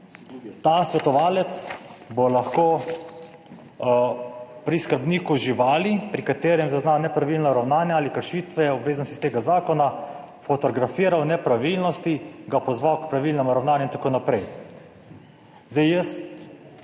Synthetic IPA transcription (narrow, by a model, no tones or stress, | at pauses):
t̪aːsʋɛt̪ɔʋaːlɛt̪sbolaxkoː | pɾiskəɾbniːkuʒiʋaːlipɾikat̪eːɾjɛmzaznanɛpɾaʋilnɔɾawnaːnjaaːlikəɾʃiːt̪ʋɛɔbʋeːzanɔsist̪eːɡazaːkɔna | fɔt̪ɔɡɾafiːɾawnɛpɾaʋilnɔst̪iɡapɔzʋawkpɾaʋilnɛmuɾawnaːnjuint̪ḁkoːnapɾɛj | zd̪ɛjjəst̪